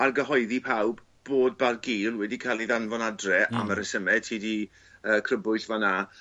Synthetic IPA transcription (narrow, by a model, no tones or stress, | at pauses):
arɡəɦɔɨðipʰawb | b̥oːd̚barɡiːlˠwɛdikʰalˠiðanvɔnadrɛʔa̰məɾəsəmɛtʰiːdi | əːkʰrəbʊɨθvana